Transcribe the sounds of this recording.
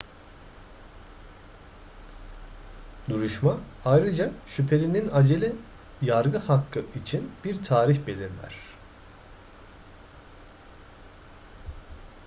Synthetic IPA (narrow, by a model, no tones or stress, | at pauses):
d̪uɾuʃma | ajɾɯd͡ʒaʃypʰe̞lʲininad͡ʒelʲi | jaɾɡɯhakʰːɯit͡ʃʰinb̥iɾt̪ʰaːɾiçbe̞lʲiɾlʲæ̰ɾ̥